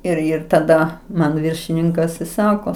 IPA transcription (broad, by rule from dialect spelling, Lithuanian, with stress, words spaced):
ɪr ˈɪr tɐˈdɐ ˈmɐn ˈʋʲɪrʲʃʲɪnʲɪŋkɐs ɪ ˈsɑːkoː